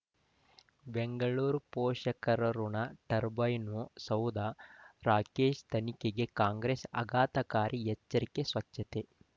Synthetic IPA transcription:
beŋɡɐɭuːɾpoːʃɐkɐɾɐɾunɐʈɐɾbɐjnusɐwd̪aɾaːkeːʃt̪ʰɐnikeɡe̞kaːŋɡɾeːsɐ̰ɡaːt̪ɐkaːɾʔiɦɛt͡ʃːɐɾikesʋɐt͡ʃʃɐt̪e

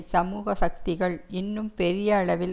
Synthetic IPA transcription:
sɐmuːɣɐsɐk̚t̪ɪɣɐɭɪnːɯmpɛɾɪjɐːɭɐʋɪl

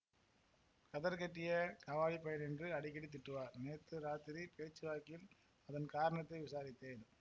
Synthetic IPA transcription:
kɐðɐɾkɛʈːɪjɐkɐʋaːɻipːɐjɐnɛndrɯɐɽɪkːɐɽit̪̬ːɪʈːɯʋaːɾneːt̪ːɯɾaːt̪ɪɾipeːt͡ʃːɯʋaːkɪl | ɐðɐnkaːɾɐɳɐt̪ːɐɪʋɪsaːɾɪt̪ːeːn

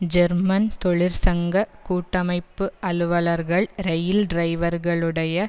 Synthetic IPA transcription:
d͡ʒɛɾmɐnt̪ɔɭɪɾsɐŋɡɐkuːʈːɐmɐɪpːɯɐlɯʋɐlɐɾɣɐɭɾɛjɪlɖɾɐɪʋɐɾɣɐɭɯɽɐjɐ

